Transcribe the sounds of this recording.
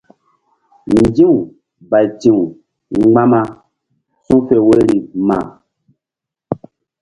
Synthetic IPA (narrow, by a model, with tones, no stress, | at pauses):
n˨d͡ʒĩ˦u˨ | ba˨tĩ˦˨u˨˦ | ɡ͡ba˦ma˧ | sũ˦fe˨we˦ɾi˨mã̰ː˨